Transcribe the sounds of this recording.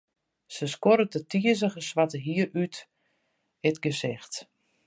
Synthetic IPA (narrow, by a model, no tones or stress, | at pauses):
səskoɾətətʰiəzəɣəsʋatəɦiəɾyt | ɪtɡəsɪxt